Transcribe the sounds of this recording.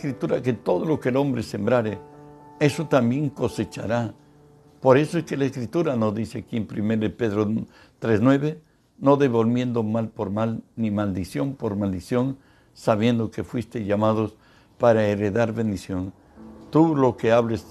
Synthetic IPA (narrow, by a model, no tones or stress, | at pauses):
skɾit̪uɾaket̪o̞ðolo̞kelo̞mbɾese̞mbɾaɾee̞so̞t̪ambje̞ŋko̞se̞t͡ʃa̰ɾa | po̞ɾe̞soeske̞laeskɾit̪uɾano̞zðiseakiempɾimeɾaðepe̞ðɾo | t̪ɾeznwe̞βe | no̞ðe̞βo̞lmje̞nd̪o̞malpo̞ɾmalnimald̪isjo̞mpo̞ɾmald̪isjo̞n | saβje̞nd̪o̞ke̞fwist̪e̞ʝamað̞o̞s | paɾaeɾeðaɾβe̞nd̪isjo̞n | t̪ulo̞keaβles